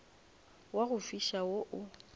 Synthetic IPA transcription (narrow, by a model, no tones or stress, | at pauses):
waɣʊfiʃawoʔʊ